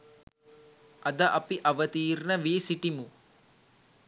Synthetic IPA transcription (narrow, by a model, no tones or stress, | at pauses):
ɐd̪ɐʔɐpiʔɐʋət̪iːrnəʋeːsiʈimu